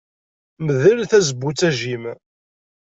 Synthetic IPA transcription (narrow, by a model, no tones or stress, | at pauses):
məðəlθæzəbːut͡sːæʒim